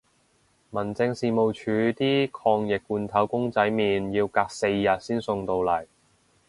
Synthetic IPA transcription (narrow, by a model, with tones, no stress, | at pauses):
mɐ˨˩nt͡sɪ˧ŋsiː˨˧mo˨wt͡ʃʰyː˨˧˥t̪iː˥kʰɔː˧ŋjɪ˨k̚ːuː˧nt̪ʰɐ˨˥wkʊ˥ŋt͡sɐ˨˥jmiː˨njiː˧wkaː˧k̚se˧jːɐ˨t̚siː˥nsʊ˧ŋt̪o˧wlɐ˨˩j